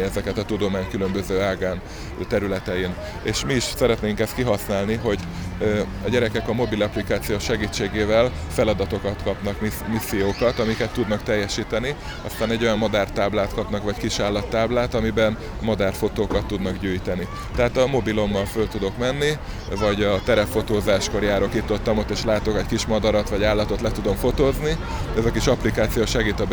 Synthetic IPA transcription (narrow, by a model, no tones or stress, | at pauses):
ɛzɛkɛt̪ɒt̪ud̪o̞maːɲkylø̞mbø̞zøːaːɡaːn | t̪ɛɾylɛt̪ɛin | eːʃmiːʃsɛɾɛt̪neːŋkɛst̪̚kiɦɒsnaːlniɦo̞ɟ | ɒɟɛɾɛkɛkɒmo̞bilɒplikaːt̪sijoːʃɛɡiːt͡ʃːeːɡeːvɛl | fɛlɒd̪ɒt̪o̞kɒt̪kɒpnɒkmimisːijoːkɒt̪ɒmikɛt̪ːud̪nɒkt̪ɛjːɛʃiːt̪ɛni | ɒ̰st̪aːnɛɟːo̞jɒmmɒd̪aːrt̪aːblaːt̪kɒpnɒkvɒckiʃaːlːɒt̪ːaːblaːt̪ɒmibɛn | mɒd̪aːrfo̞t̪oːkɒt̪ːud̪nɒɡɟyːjt̪ɛni | t̪ɛɦaːt̪ɒmo̞bilo̞mːɒlfølt̪ud̪o̞kmɛnːi | vɒɟɒt̪ɛɾɛpfo̞t̪oːzaːʃko̞ɾjaːɾokit̪ːot̪ːɒmot̪eːʃlaːt̪o̞kɛckiʃmɒd̪ɒɾɒt̪ʋɒɟaːlːɒt̪o̞t̪lɛt̪ud̪o̞mfo̞t̪oːzniɛzɒkiʃɒplikaːt̪sijoːʃɛɡiːt̪ɒb